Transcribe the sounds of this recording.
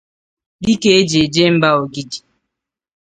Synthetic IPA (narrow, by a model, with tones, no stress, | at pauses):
di˦ke˦e˦d͡ʒe˨d͡ʒe˦m̩˦ba˦o˨ɡi˦d͡ʒi˨